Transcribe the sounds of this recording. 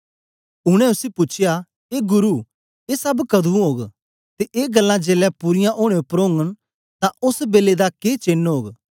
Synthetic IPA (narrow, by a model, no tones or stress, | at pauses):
ʊɽ̃ɛ̃ʊsipʊt͡ʃʰɪja | eːɡʊɾu | eːsɐbkɐd̪ʱũɦoːɡ | t̪eʔeːɡɐlːãd͡ʒeːlɛpʊɾɪjãʔoːɽ̃eõpɾõːŋɡən | t̪ãʔʊsbeːled̪akeːt͡ʃeːnɦoːɡ